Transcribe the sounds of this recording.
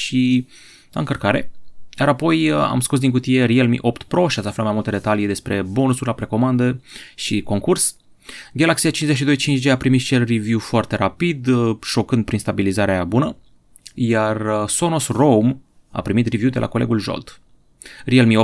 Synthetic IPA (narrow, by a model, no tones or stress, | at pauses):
ʃi | la̰ɨŋkərkaɾe̞̰jaɾapo̞ja̰mskus̬d̪iŋk̬ut̪ijeɾielmḭʔopt̪pɾo̞ʃiat̪saflat̪majmult̪əd̪e̞t̪alijed̪e̞spɾe̞bo̞nusuɾlapɾe̞ko̞mand̪əʃiko̞ŋkurs | ɡʲalaksiat͡ʃinzeʃ̬id̪o̞jt͡ʃint͡ʃd͡ʒeapɾimit̪t͡ʃe̞lrivjufoart̪e̞ɾapid̪ʃo̞kɨnd̪pɾinst̪abilizaɾeabunə | jarso̞nosrowm | a̰pɾimit̪rivjud̪e̞lʔa̰ko̞le̞ɡulʒo̰lt̪ | rielmio